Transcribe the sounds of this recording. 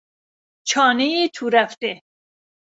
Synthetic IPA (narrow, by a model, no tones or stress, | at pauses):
t͡ʃʰɒːnejit̪ʰuɾæft̪e